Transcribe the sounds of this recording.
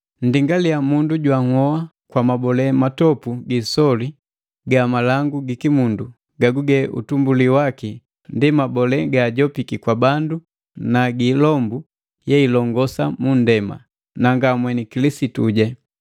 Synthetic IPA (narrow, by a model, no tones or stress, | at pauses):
n̩diŋɡalijamunduɟwaŋɔa | kwamabɔlɛmatɔpuɡisɔli | ɡamalaŋɡuɡikimundu | ɡaɡuɡɛʔṵtumbuliwaki | ndimabɔlɛɡaːɟɔpikikwabandu | naɡilɔmbu | jɛilɔŋɡɔsamundɛma̰ | naŋɡamwɛnikilisituɟa